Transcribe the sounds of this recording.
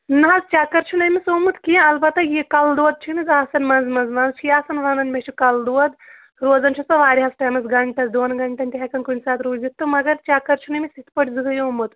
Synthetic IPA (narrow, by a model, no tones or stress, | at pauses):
nɐɐzt͡ʃaːkɐɾt͡ʃʰunɐmisoːmut̪kijãɐlbɐt̪ɐjikɐld̪uɐd̪̚t͡ʃʰinizaːsɐnmɐnzmɐnzmɐnzt͡ʃʰijaːsɐnʋɐnɐnmet͡ʃʰikɐld̪uɐd̪ | ɾoːzɐnt͡ʃʰisɐʋaːɾʲiɦɐsʈɐmɐsɡɐɳʈɐsd̪oːnɡɐɳʈɐnʈ̪ʲiɦɐkɐnkunʲsaːt̪ʰɾuːzit̪ːumɐɡɐɾt͡ʃaːkɐɾt͡ʃʰunɐmisit̪ʰpɐʈʲzɨɡɐjoːmut̪